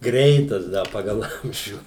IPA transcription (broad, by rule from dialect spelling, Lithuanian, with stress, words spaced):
ˈɡrʲɛɪtɐs ˈdɐ ˈpɑːɡɐlˠ ˈɐmʲʒʲuː